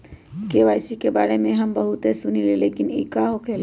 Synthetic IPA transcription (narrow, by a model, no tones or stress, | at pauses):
keːʋaːɪsikeba̰ːɾemẽɦɐmbɐɦʊt̪ɦesʊnileleːkɪnḭːkaɦokʰeːl